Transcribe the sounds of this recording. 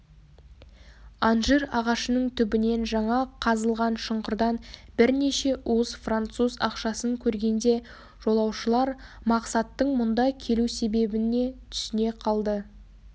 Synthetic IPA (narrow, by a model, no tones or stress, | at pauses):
ɑnʒiɾɑʁɑʃənəɴt̪ʰʏbɪne̞nʒɑɴɑqʰɑzəlˠʁɑnʃəɴqəɾd̪ɑnbɪɾne̞ʃe̞ʔuwəzfrant̪suzɑ̰qʃɑsəŋkʲʰɵɾɡʲe̞nd̪e̞ | ʒ̥o̞lˠɑwʃəlˠɑɾmɑqsɑt̪ːəɴmʊnd̪ɑkʲʰe̞luse̞be̞bɪne̞t̪ʰʏ̥sɪne̞qʰɑlˠd̪ə